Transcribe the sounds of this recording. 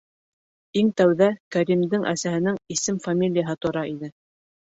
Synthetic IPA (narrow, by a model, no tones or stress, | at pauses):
iŋt̪æwðækæɾimd̪ɘŋʔæsæhɘ̆nɘŋisɘmfamʲilʲijaɦɤt̪ŏɾɑʔinɘ